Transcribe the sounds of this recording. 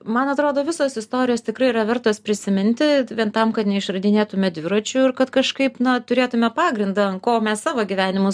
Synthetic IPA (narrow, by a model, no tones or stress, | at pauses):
mɐnɐt̪ɾoːd̪oːʋʲɪsoːsɪst̪oːɾʲɪjoːst̪ʲɪkɾɐɪiɾɐʋʲɛrt̪oːspʲɾʲɪsʲɪmʲɪnʲt̪ʲɪʋʲiɛnt̪ɐmkɐt̪nʲɛɪʃrɐd̪ʲɪnʲeːt̪ʊmʲɛd̪ʲʋʲɪɾot͡ʃʲʊɪrkɐt̪kɐʃkɐɪpnɐt̪ʊɾʲeːt̪ʊmʲɛpɑːɡɾʲɪnd̪ɑɐnkoːmʲɛssɑːʋoːɡʲiʋʲæːnʲɪmʊ